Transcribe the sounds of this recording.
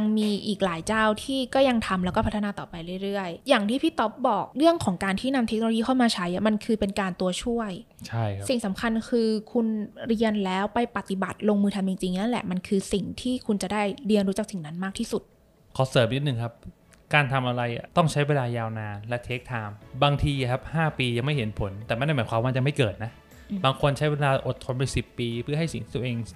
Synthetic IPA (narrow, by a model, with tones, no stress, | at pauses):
ŋmiː˧ʔiː˨˩k̚laː˩˦jt͡ɕaː˥˩wt̪ʰiː˥˩kɔː˥˩ja˧ŋt̪ʰa˧mlɛː˧˦˥wkɔː˥˩pʰt̪ʰːa˧naː˧t̪ɔː˨˩pa˧jɾɯ˥˩jɾɯ˥˩əjːaː˨˩ŋt̪ʰiː˥˩pʰi˥˩t̪ːo˦˥p̚bɔː˨˩k̚ɾɯ˥˩əŋkʰɔː˩˦ŋkaː˧nt̪ʰiː˥˩na˧mt̪ʰe˦˥kno˧o˧jiː˧˥˩kʰa˥˩maː˧t͡ɕʰa˦˥jʔa˨˩ma˧nkʰɯː˧pe˧nkaː˧nt̪u˧ɐt͡ɕʰu˥˩əj | t͡ɕʰa˥˩jʰa˦si˨˩ŋsa˩˦mkʰa˧nkʰɯː˧kʰu˧nɾi˧ənlɛː˦˥wpa˧jpa˨˩t̪i˨˩ba˨˩t̪̚loː˧ŋmɯː˧t̪ʰa˧mt͡ɕi˧ŋt͡ɕi˧ŋna˦˥nlɛ̰˨˩ʔma˧nkʰɯː˧si˨˩ŋt̪ʰiː˥˩kʰu˧nt͡ɕa˨˩daː˥˩jɾi˧ənɾu˦˥t͡ɕa˨˩k̚si˨˩ŋna˦˥nmaː˥˩t̪ʰiː˥˩su˨˩t̪̚ | kʰɔː˨˩˦sɤː˩˦mʔni˦˥t̪̚nɯ˨˩ŋkʰa˦˥p̚ | kaː˧nt̪ʰa˧mʔa˧ɾa˧jt̪ɔ˥˩ŋt͡ɕʰa˦˥jweː˧ndaː˧jaː˧wnaː˧nlɛ˦˥t̪ʰeː˦˥k̚t̪ʰaː˧mbaː˧ŋt̪ʰiː˧˨˩kʰa˦˥p̚haː˥˩piː˧ja˧ŋma˥˩jɦe˩˦npʰo˩˦nt̪ɛː˨˩ma˥˩nːa˥˩mː˩˦jkwaː˧maː˧˩t͡ɕa˨˩ma˥˩jkɤː˨˩t̪̚na˦˥ʔ | baː˧ŋkʰo˧nt͡ɕʰa˦˥jwe˧daː˧ʔo˨˩t̪ʰːo˧npa˧jsi˨˩pːiː˧pʰɯ˥ɐɦa˥˩jsi˨˩ŋt̪i̥˦˥˩t̪ːʔeː˧ŋ